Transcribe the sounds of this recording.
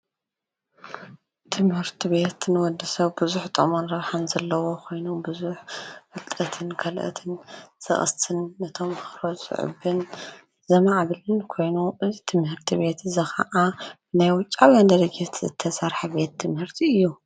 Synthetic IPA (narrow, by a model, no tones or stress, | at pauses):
t̪ʰɨmhɨɾt̪ʰiβe̞t̪nɨwɔd̪ːɐsɐβbɨzuħt̪ʼɐmonɾɐβħanzɐlːɐwo̞kʰo̞jnubɨzuħɨlt̪ʼɐt̪ʰɨnkʰɐlʔɐ̰t̪ʰɨnsɐ̰χʼɨ̰st̪ʰɨnːɐt̪ʰo̞mɨxɾozʼɨ̰ʕɨ̰bɨn | zɐmaʕβɨlɨnkʰo̞jnuʔɨzit̪ʰɨmhɨɾt̪ʰiβe̞t̪ɨzɐxɐ̰ʔa | najwʊt͡ʃʼːawjand̪ɐɾɐd͡ʒet̪ʰzɨ̰t̪ʰːɐsaɾħabe̞t̪ʰːɨmhɨɾt̪ʰiɨjːu